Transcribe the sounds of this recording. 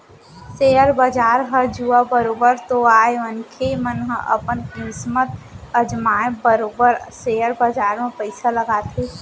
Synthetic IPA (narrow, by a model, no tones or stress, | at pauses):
seəɾbəd͡ʒaːɾɦəd͡ʒuabəɾobəɾt̪oaeənkʰemənɦə̃ʔə̰pənkismət̪əd͡ʒmaebəɾoːbəɾseəɾbəd͡ʒaːɾmepəɪsaləɡat̪ʰe